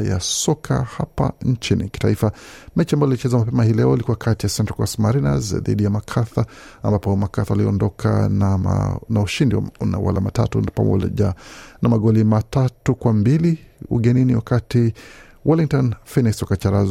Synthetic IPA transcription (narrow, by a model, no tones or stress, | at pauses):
ja̰sɔkʰa̰hapa̰nt͡ʃinḭki̥taifamɛt͡ʃiambajɔilit͡ʃɛzamapɛmahiːlɛɔilikuwakʰatijasɛntkɔstmaɾina̰zðḭɗijamakʰaθa | ambapɔmakaθawaliɔndɔkʰa̰ | nauʃindina̰wa̰la̰matatunpa̰mɔ̰anamaɠɔlimatatukwambiliṵɠɛniniwakati | waliŋ̚tɔnfiniksɔkat͡ʃaɾaz